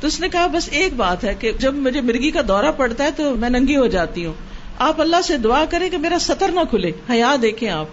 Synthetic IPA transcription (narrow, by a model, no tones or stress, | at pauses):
t̪oʊsnekɐɦabɐseːk̚baːt̪ɦɛked͡ʒɐbmʊd͡ʒʱemɪɾɡikad̪ɔːɾapɐɽt̪aɦɛt̪omɛ̃ːnɐ̃ŋɡiɦod͡ʒaːt̪iɦũː | aːpɐlːaɦsed̪ʊaːkɐɾẽkemeːɾasɐt̪əɾnɐkʰʊleːhɐjaːd̪eːkʰẽaːp